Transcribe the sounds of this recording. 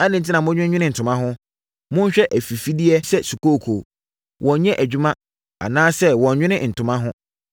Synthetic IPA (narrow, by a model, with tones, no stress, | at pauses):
a˦nɪ̃˨n̩˨tʰɪ˦nã˨mʊ̃˦ɲᶣʊ̃˦ɲᶣɪ̃˦nɪ̃˦n̩˨tʰʊ̃˨mã˦ɦʊ̃˦ | mʊ̃˦n˦ɕᶣɛ˦ʔæ˨fi˨fi˦di˦ɛ˦sɛ˦su˨kʰo˦˨kʰo˨ | wʔɔ̃˨˦ɲɛ̃˦ʔæ˨d͡ʑᶣu˦mã˦ | a̰˨nãː˦sɛ˦wɔ̃˨ɲ˨ɲᶣɪ̃˦nɪ̃˦n̩˨tʰʊ̃˨mã˦ɦʊ̃˦